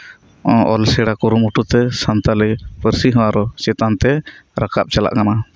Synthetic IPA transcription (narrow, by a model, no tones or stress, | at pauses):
ɔʔɔlsɛɽakuɾumuʈut̪ɛsant̪alɛpəɾsiɦɔ̃waɾɔt͡ʃɛt̪ant̪ɛɾakap̚t͡ʃala̰ʔkana